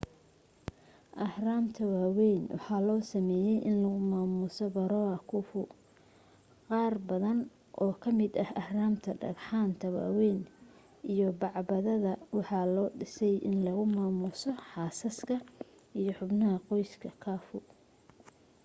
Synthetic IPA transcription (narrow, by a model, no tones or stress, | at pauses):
ʔɐhraːmt̪ʰɐwaːwɛjnwɑ̰ħɑːlɔːsɐmɛːjɛjʔɪnlɐɣʊmaːmʊsɔbɐɾɔːɐkʰʊfʊ | qɑːrbɐðɐn | ʔɔːkʰɐmɪd̪ɐhɐhraːmt̪ʰɐɖɐ̰ɾħaːnt̪ʰɐwa̰ːwɛːn | ʔijɔbɑʕbɐðɐðɐwɑħɑːlɔːɖɪsɛjʔɪ̰nlɐɣʊmaːmʊsɔħɑːsɐskʰɐ | ijɔħʊbnɐɦɐqɔjskʰɐkʰaːfʊ